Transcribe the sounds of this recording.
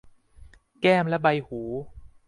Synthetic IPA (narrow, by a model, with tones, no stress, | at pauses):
kɛː˥˩mlɛ˦˥ba˧jhuː˩˦